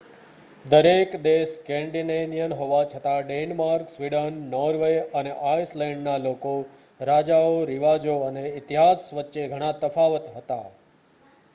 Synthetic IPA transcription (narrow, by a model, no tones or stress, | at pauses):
d̪əɾekd̪eskɛ̃ɳɖinenijənɦoʋat͡ʃʰət̪aɖenmaɾksʋiɖənːɔɾʋeəneʔaislɛ̃ɳɖnaloko | ɾad͡ʒaoɾiʋad͡ʒoəneɪt̪iɦasʋətːʃeɡʱəɽ̃ãt̪əfʰaʋət̪ɦət̪a̰